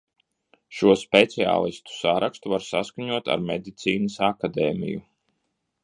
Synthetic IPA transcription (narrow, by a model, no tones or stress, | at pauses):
ʃuɔspʲɛt̪sia̰ːlˠist̪u̥saɾakst̪uvaɾsaskaɲuɔt̪a̰ɾmed̪it̪siːnəsakad̪ɛːmḭjṵ